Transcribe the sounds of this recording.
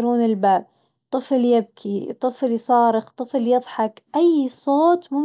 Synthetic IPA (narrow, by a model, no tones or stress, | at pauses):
ɾuːnɪlbaːb̚ | t̪ˤːɨfljɪb̚kʰit̪ˤːɨflsˤɑːɾɪxt̪ˤɨfljɨðˤħɑkʔajsˤoːt̪mʊm